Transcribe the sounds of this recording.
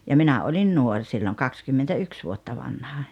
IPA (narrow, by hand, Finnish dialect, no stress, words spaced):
jɑ minæ olʲin nuorʲ silːoŋ kɑkskymːentæyks ʋuotːɑ ʋɑnhɑ